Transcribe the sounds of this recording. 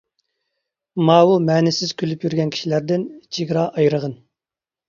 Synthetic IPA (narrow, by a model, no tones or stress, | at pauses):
mɑːwumɛːnɪsɪz̥kʲʰylypjyɾɡʲɛnkʲi̥ʃilæɾd̪ɪnt͡ʃʰiɡʲɾɑʔɑjɾəʁən